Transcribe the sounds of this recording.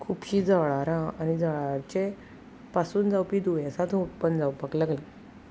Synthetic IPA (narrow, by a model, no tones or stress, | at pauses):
kʰuːpɕiːd͡zaʋɭaɾãañid͡zaɭaɾt͡ɕe | pasuːnd͡zawpiːd̪ujãsat̪upənd͡zawpəklaɡlã